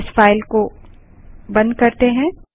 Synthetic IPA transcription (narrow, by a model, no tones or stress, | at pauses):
sfaːɪlko | bɐ̃nd̪̚kɐɾt̪eɦɛ̃ː